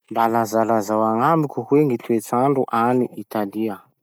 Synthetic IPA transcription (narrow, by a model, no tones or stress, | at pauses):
mbalazalazawaŋamikʲuɦweŋit̪uet͡saɳɖ͡ʐuʔaniit̪aliə